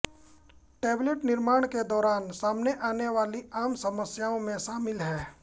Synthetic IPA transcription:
ʈɛːbleʈnɪɾmaːɽ̃ked̪ɔːɾaːnsaːmneʔaːneʋaːliaːmsɐməsjaːõmẽsaːmɪlɦɛː

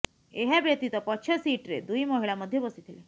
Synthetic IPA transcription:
eɦabet̪it̪əpət̪ːɕʰesiʈɾed̪uiməɦiɭaməd̪ʱːjebəsit̪ʰele

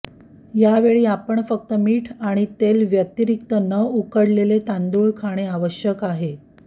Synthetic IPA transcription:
jaʋeɭiːapəɳfək̚t̪əmiːʈʰaɽ̃it̪elʋjət̪iɾik̚t̪ənəukəɽlelet̪ãnd̪uɭkʰaɽ̃eaʋəɕjəkaɦe

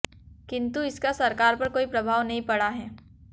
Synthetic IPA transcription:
kɪ̃nt̪uɪskasɐɾkaːɾpɐɾkoːipɾɐbʱaːʋnɐɦĩpɐɽaɦɛː

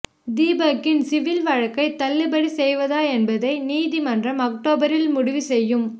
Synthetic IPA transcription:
d̪iːbɐkːɪnsɪʋɪlʋɐɻɐkːɐɪt̪ːɐlːɪbɐɽisɛjʋɐðaːɛnbɐðɐɪniːðimɐndrɐmɐk̚ʈoːbɐɾɪlmʊɽʊʋisɛjːɯm

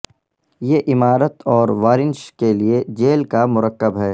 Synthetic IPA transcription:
jeːʔɪmaːɾət̪ɔːɾʋaːɾɪnʃkelied͡ʒeːlkamʊɾəkːəbɦɛː

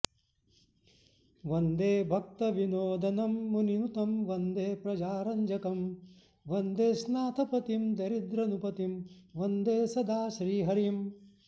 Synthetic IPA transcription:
ʋɐnd̪eːbʱɐk̚t̪ɐʋinoːd̪ɐnɐmːuninut̪ɐmʋɐnd̪eːpɾɐd͡ʒaːɾɐɲd͡ʒɐkɐm | ʋɐnd̪eːsnaːt̪ʰɐpɐt̪imd̪ɐɾid̪ɾɐnupɐt̪imʋɐnd̪eːsɐd̪ʱaːʃɾiːɦɐɾim

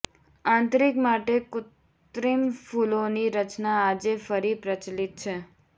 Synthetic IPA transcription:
ãːnt̪ɾikmaʈekʊt̪ | ɾimfʰuloniɾət͡ʃnaːd͡ʒefəɾipɾət͡ʃlit̪̚t͡ʃʰe

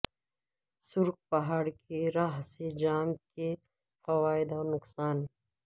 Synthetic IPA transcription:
sʊɾk̚pɐɦaːɽkeɾaːɦsed͡ʒaːmke | fɐwaːɪd̪ɔːɾnʊqsaːn

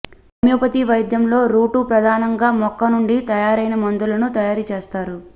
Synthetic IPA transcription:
ɐmjuːpɐt̪iʋɐjd̪jɐmlo̞ːɾuːʈupɾɐd̪ʱaːnɐŋɡaːmɔkːɐnuɳɖit̪ɐjaːɾɐjnɐmɐnd̪ulɐnut̪ɐjaːɾut͡ʃe̞ːst̪aːɾu

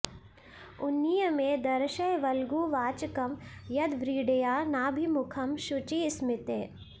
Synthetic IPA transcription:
ʊnːijəmẽd̪ɐɾʃɐjʋɐlɡuːʋaːt͡ʃkɐmjɐd̪ʋɾiːɖejaːnaːbʱimʊkʰɐmʃʊt͡ʃismɪt̪eː

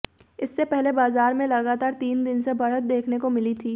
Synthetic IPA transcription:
ɪsːepɛɦlebaːzaːɾmẽlɐɡaːt̪aːɾt̪iːnd̪ɪnsebɐɽət̪̚d̪eːkʰnekomɪlit̪ʰiː

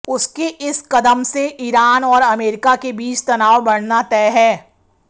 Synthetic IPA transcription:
ʊskeʔɪskɐd̪əmseʔiːɾaːnɔːɾɐmeːɾɪkakebiːt͡ʃt̪ɐnaːwbɐɽnat̪ɛːɦɛː

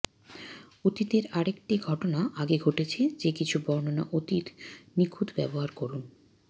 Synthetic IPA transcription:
ot̪it̪eɾaɾek̚ʈiɡʱɔʈonaʔaɡeɡʱoʈet͡ɕʰed͡ʑekit͡ɕʰubɔɾnona̰ʔot̪it̪nikʰud̪bɛ̰boɦaɾkoɾun

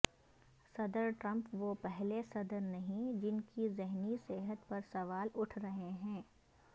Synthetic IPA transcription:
sɐd̪əɾʈɾɐ̃mpʋopɛɦlesɐd̪əɾnɐɦĩd͡ʒɪnkizɪɦniseɦət̪pɐɾsɐʋaːlʊʈʰɾɐɦeɦɛ̃ː

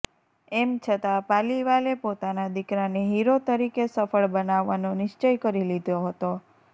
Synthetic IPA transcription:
ɛmt͡ʃʰət̪apaliʋalepot̪anad̪ɪkɾaneɦiɾot̪əɾikesəfəɭbənaʋːanonɪʃt͡ʃəjkəɾilid̪ʱjoɦət̪o

